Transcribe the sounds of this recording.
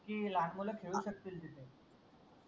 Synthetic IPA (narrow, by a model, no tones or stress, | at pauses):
kiːlaɳmuləkʰeɭuːɕək̚t̪iːld̪it̪e